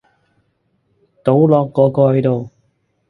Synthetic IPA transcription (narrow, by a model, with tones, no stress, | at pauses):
t̪o˨˥wlɔː˨˧kːɔː˨˧kɔː˧hɐ˨˥jt̪o˨w